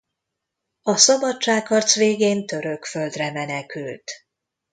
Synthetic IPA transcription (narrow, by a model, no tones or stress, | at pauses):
ɒsɒbɒtt͡ʃaːkhɒrt̪sʋeːɡeːnt̪ø̞ɾø̞kfø̞ld̪rɛmɛnɛkylt̪